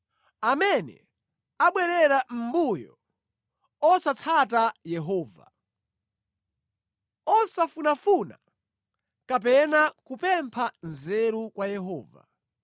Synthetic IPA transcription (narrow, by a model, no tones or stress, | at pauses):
amɛnɛ̰ | aɓwɛɾɛɾam̩bujɔ̰ | ɔsat͡sʰat̬ajɛɦɔːva̰ | ɔsafunafuna | kap̬ɛnakupɛmpʰanzɛɾukwajɛɦɔːva̰